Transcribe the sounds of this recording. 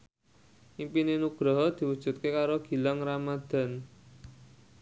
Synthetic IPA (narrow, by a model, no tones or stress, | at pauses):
ʔimpinenuɡ̥ɾɔɦɔd̪̥i̤wud̥ʒ̥ṳt̪̚kekaɾoɡ̥i̤laŋramad̪̥a̤n